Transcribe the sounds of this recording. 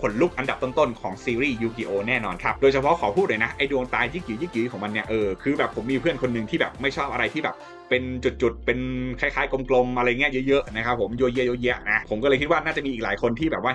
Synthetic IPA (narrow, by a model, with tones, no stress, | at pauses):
pʰo˨˩˦nluː˦˥˩k̚ʔa˧nda˨˩p̚t̪o˥˩nt̪o˥˩nkʰɔː˩˦ŋsiː˧ɾiː˥˩juː˧kiː˧ʔoː˧nɛː˥˩nɔː˧nkʰa˦˥p̚doː˧jt͡ɕʰa˧pʰɔ˦˥kʰɔː˨˩˦pʰuː˥˩t̪̚loː˧na˦˥ʔa˧jdu˧əŋt̪aː˧jjɯ˦˥˩k̚jɯː˨˩˦jɯː˥˩k̚jɯː˩˦kʰɔː˩˦ŋma˧nːi˥˩ɐʔɤː˧kʰɯː˧bɛː˨˩pʰo˩˦mːiː˧pʰɯ˥˩ənkʰo˧nːɯ˨˩ŋt̪ʰiː˥˩bɛː˨˩p̚ma˥˩jt͡ɕʰɔː˥˩p̚ʔa˧ɾa˧jt̪ʰiː˥˩bɛː˨˩p̚ | pe˧nt͡ɕu˨˩t̪̚t͡ɕu˨˩t̪̚pe˧nkʰaː˧˥˩jkʰaː˨˦˥jko˧mklo˧mʔa˧ɾa˧jːŋːi˦˥ɐjɤ˦˥ʔjɤ˦˥ʔna˦˥kʰa˦˥pʰːo˩˦mjoː˧ji˦˥˨joː˧ji˦˥ɐna˦˥pʰo˩˦mkɔː˥˩ɤː˧jkʰi˦˥waː˥˩naː˥˩t͡ɕa˨˩miː˧ʔiː˨˩klaː˩˦jkʰo˧nt̪ʰiː˥˩bɛː˨˩p̚waː˥˩